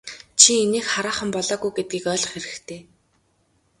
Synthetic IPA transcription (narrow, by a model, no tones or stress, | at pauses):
t͡ɕʰieneːxχaɾaːχə̆mpɔɮɔːɣujɡet̪̚ɡiːkœːɮɞ̆χeɾɘ̆xkt̪ʰeː